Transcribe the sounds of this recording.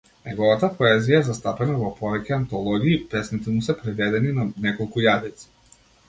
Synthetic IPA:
nɛɡɔvat̪apɔɛzijaɛzast̪apɛnavɔpɔvɛcʲɛant̪ɔlˠɔɡiːpɾɛsnit̪ɛmusɛpɾɛvɛd̪ɛninanɛkɔlˠkujad̪it̪si̥

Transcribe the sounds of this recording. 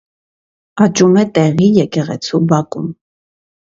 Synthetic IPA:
ɑt͡ʃumɛt̪ɛʁijɛkɛʁɛ̰t͡sʰubɑkṵm

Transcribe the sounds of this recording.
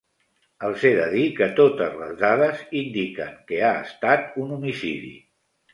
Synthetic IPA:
əlˠseðəðikət̪ot̪əzlə̰zðaðəzind̪ikəŋkəaə̰st̪at̪unumisḭðḭ

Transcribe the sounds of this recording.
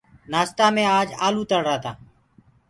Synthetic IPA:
naːst̪aːmẽːaːd͡ʒaːluːt̪əɽɾaːt̪ʰaː

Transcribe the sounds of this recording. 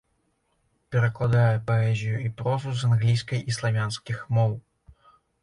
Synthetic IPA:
pʲɛɾɐklˠad̪ajɛpaɛzʲijuipɾɔzuzanɣlʲijskɐjislˠavʲanskʲixmɔw

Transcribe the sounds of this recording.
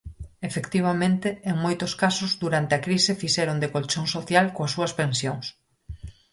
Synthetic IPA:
efekt̪iβ̞amẽnt̪eeŋmojt̪oskasozd̪uɾant̪eakɾisefiʃɛɾond̪ekolt͡ʃoŋsoθjalkoasuɐspensjoŋs

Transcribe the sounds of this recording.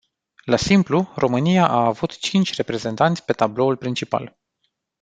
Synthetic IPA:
lasimpluro̞mɨnijaʔaːvut̪t͡ʃint͡ʃʲre̞pɾe̞ze̞nt̪ant̪sʲpe̞t̪ablo̞ulpɾint͡ʃipa̰l

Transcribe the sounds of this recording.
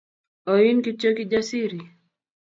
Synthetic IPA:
ɔinkit͡ʃɔkid͡ʒasiɾi

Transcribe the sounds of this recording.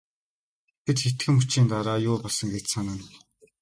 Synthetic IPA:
t̪ʰet̪xet̪ɡɘ̆mut͡ɕiːnt̪aɾaːjʊːpɔɮsə̆ŋɡet͡ɕsanə̆n

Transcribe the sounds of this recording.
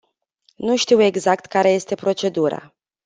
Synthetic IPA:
nuʃt̪iwe̞ɡzakt̪kaɾe̞je̞st̪e̞pɾo̞t͡ʃe̞d̪uɾa̰

